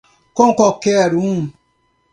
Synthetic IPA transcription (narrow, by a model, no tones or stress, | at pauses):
kɔŋ̩kɔkeaɾum